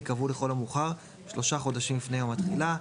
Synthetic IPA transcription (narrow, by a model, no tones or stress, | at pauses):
kavuleχo̞lamuχaʁ | ʃloʃaχo̞d̪aʃimbifnejo̞mhat̪χila